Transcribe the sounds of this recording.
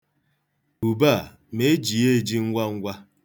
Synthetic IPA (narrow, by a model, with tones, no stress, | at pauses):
u˨ba˦˨ | me˦e˦d͡ʒi˨e˦˨d͡ʒi˦ŋ̩˦ɡʷa˦ŋ̩˦ɡʷa˦